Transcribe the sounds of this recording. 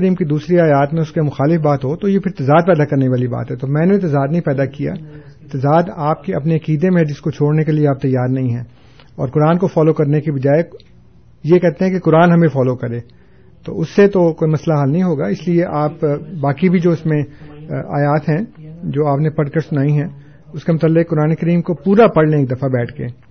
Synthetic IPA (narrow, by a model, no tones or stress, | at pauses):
ɾiːmkid̪uːsɾiaːjaːt̪mẽʊskemʊxaːlɪfbaːt̪ɦot̪ojepʰɪɾɪt̪ɐzaːd̪̚pɛːd̪akɐɾneʋaːliba̰ːt̪ɦɛt̪omɛ̃ːnet̪ɪzaːd̪nɐɦĩpɛːd̪akija̰ːt̪ɐzaːd̪aːp̚keɐpneɐkiːd̪ẽmẽɦd͡ʒɪskot͡ʃʰoːɽnekelieaːp̚t̪ɐjaːɾnɐɦĩɦɛː | ɔ̰ːɾkʊɾaːnkofɔːlokɐɾnekibɐd͡ʒaːe | jekɛɦt̪eɦɛ̃kikʊɾaːnɦɐmẽfɔːlokɐɾẽː | t̪o̰ʊsːet̪okoːimɐslaɦəlnɐɦĩɦoːɡaɪslieʔaːpbaːkibʱid͡ʒoːɪsmẽa̰ːjaːt̪ɦɛ̃d͡ʒoːaːpnepɐɽkəɾsʊnaːĩɦɛ̃ː | ʊskemʊt̪aːlːɪkkʊɾaːnekɐɾiːmkopuːɾapɐɽlẽeːk̚d̪ɐfabɛːʈʰkḛː